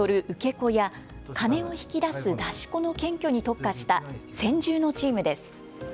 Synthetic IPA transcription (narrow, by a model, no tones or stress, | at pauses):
o̞ɾɯ̟ʔɯ̟ke̞ko̞ja | kʰane̞o̞çi̥kʲid̪asɨd̪aɕi̥ko̞no̞kẽ̞ŋkʲo̞ɲ̟it̪o̞kːaɕi̥t̪asẽ̞ɲd͡ʑɨːno̞t͡ɕiːmɯ̟d̪e̞sɨ̥